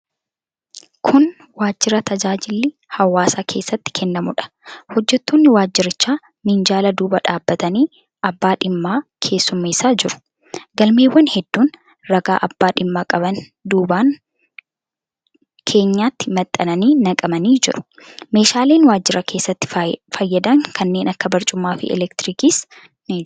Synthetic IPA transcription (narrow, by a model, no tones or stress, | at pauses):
kʰʊn | waːd͡ʒːɪɾɐt̪ʰɐd͡ʒaːd͡ʒɪlːɪ | hɐwːaːsaːkʰe̞ːsːɐt̪ːɪ̥kʰɛnːɐmʊᶑɐ̥ | hɔd͡ʒːɛt̪ːoːnːɪwaːd͡ʒːɪɾɪt͡ʃːaː | mɪnd͡ʒaːlɐd̪uːbɐᶑaːbːɐt̪ɐniː | ɐbːaːᶑɪmːaːkʰe̞ːsːʊmːeːsaːd͡ʒɪɾʊ̥ | ɡɐlme̞ːwːɐnhɛd̪ːuːn | ɾɐɡaːʔɐbːaːᶑɪmːaːkʼɐbɐn | d̪uːbaːŋ | kʰe̞ːɲːaːt̪ːɪmɐt̪ʼːɐnɐniːnɐkʼɐmɐniːd͡ʒɪɾʊ̥me̞ːʃaːle̞ːnwaːd͡ʒːɪɾɐkʰe̞ːsːɐt̪ːɪ̥fɐjːɐd̪ɐŋkʰɐnːe̞ːnʔɐkːɐbɐɾt͡ʃʼʊmːaːfɪ̰ʔɛ̰lɛkt̪ɾiːkiːs | nɪ